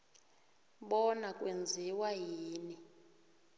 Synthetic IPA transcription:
ɓɔnakʼwend͡zʱiwaɦiːni

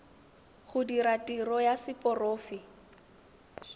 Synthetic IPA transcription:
χʊdiɾatʼirɔjasɪpʼɔroːfɪ

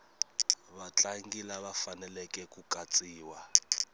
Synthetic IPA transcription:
βat͡ɬʼaŋɡilaβafanɛlɛkʼɛkukʼat͡sʼiːwa

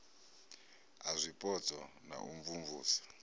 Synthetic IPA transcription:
azʷipʼɔt͡sʼɔ | na̰ʔuɱvuɱvuːsḁ

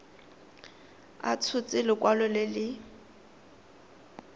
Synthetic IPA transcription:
a̰t͡sʰʊt͡sʼɪlɪkʼwalʊlɪlɪ

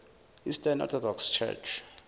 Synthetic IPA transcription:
istanɔ̰θɔdɔkst͡ʃʰɛ̰t͡ʃʰ

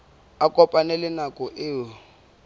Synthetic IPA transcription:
akʼɔpʼanɛlɪnakʼɔʔɪːwɔ

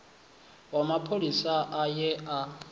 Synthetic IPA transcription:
wamapʰolisaʔajɛʔa

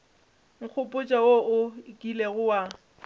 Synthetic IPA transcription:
ŋ̩k͡xʰʊpʼʊt͡ʃʼawoʊkʼileɣʊwa

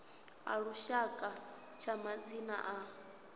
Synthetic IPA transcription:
ɦa̰ɺuʃakʼa | t͡ʃʰamad͡zina̰ʔa

